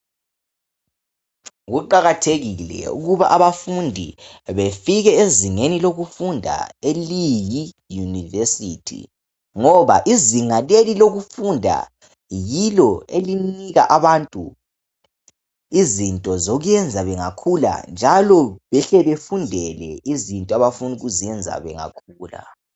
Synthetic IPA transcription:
ɣuǃaɣatʰeɣilɛ̰ṵɣuβaʔaβafundʱḭβefiɣɛeziŋeniloɣufundʱa̰eliji | junivɛsitʰḭ | ŋɔβaʔiziŋaleliloɣufundʱa̰ | jilɔeliniɣa̰ʔaβantʼu | izintʼɔzɔɣujɛnd͡zʱaβɛŋakʰula̰nd͡ʒʱalɔβɛɬɛβefundʱɛlɛ̰izintʼɔaβafundʱuɣuzijɛnd͡zʱa̰βɛ̰ŋa̰kʰuːla̰

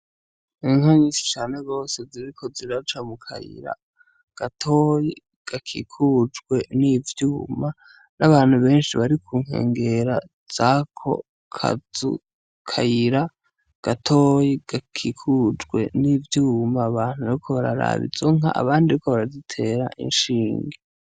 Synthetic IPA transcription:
ŋaɲiːsi̥t͡ʃaːneɡo̞ːse̞ziɾikʰo̞ziɾat͡ʃamukʰa̰jḭɾa̰ | ɡ̥atʰoji | ɡ̥akʰḭkʰud͡ʒɡwe̞nivjuːma | naβaːn̥huβe̞ːnʃiβaɾikʰuːŋ̥e̞̰ːŋɡe̞ɾa | z̥akʰo̞̰ | kʰa̰zṵ | kʰajiɾa | ɡ̥atʰo̞ːjiɡ̥akʰikʰud͡ʒɡwe̞̰nivjuːmaːβaːn̥huβaɾikʰo̞βaɾa̰ɾa̰βḭzoŋa̰ʔa̰βaːndiiiko̞βaɾazitʰe̞ːɾaʔḭnʃiːŋɡe

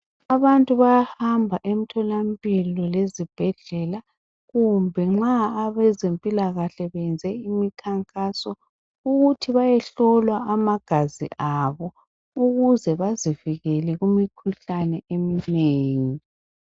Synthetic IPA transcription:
aβantʼuβajahambʱaʔem̩tʰɔlampʼilɔlezib̥ʱɛɮɛla | ɣumbʱɛŋ͡ǁaːβɛzempʼilaɣaɬɛβɛnd͡zʱɛimikʰaŋkʼasɔ | uɣutʰiβajɛɬɔlwaamaɡ̥ʱazḭʔaβɔ | uɣuzɛβaziviɣɛlɛɣumikʰuɬanɛemineːŋi

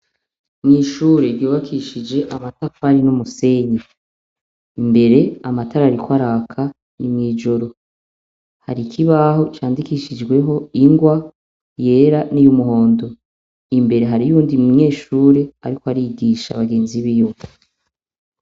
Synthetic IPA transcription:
mŋiːʃuːɾeɾjuːβakʰiʃid͡ʒe̞ʔamatafaɾinumuse̞ɲe | imbe̞ɾe̞amataɾaɾikwaɾaːkʰa | nimŋiːd͡ʒo̞ɾo̞ | ha̰ɾikʰiβaɦo̞t͡ʃaːndikiʃid͡ʒɡwe̞ɦo̞iŋɡwa | je̞ːɾanijumuɦo̞ːndo̞ | imbe̞ɾe̞ɦaɾijuːndimumɲe̞ːʃuːɾe̞a̰ɾikoaɾiɡiːʃa̰βaɡe̞ːnziβijo

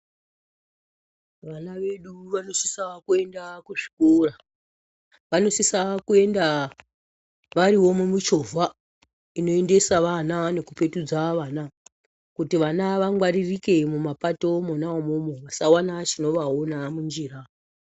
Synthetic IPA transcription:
ʋanaʋe̞ɗuʋano̞si̥sakue̞ndakuʐi̥kora | ʋano̞sisakue̞nda | ʋaɾiwo̞mumut͡ʃo̞vʱa | ino̞ende̞saʋanane̞kupe̞tud͡zaʋaːna | kutiʋanaʋaŋɡwaɾirike̞mumapatomunaomumoʋasawanat͡ʃino̞ʋaonamund͡ʒiːra

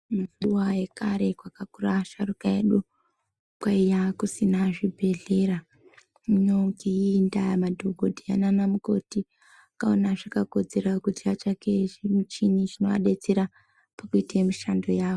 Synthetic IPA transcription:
musuwaje̞kaɾe̞kwakakuraʃarukaeɗu | kwaijakusinaʐibʱe̞ɮe̞ɾa | muɲokiindamadʱoɡʱodʱia̰nanamuko̞̰ti | akaonaʐakako̞d͡ze̞ɾakutiat͡ʃake̞ʐimut͡ʃiniʐinoʋa̰ɗe̞t͡seɾa | pakuitamiʃando̞jaːʋo

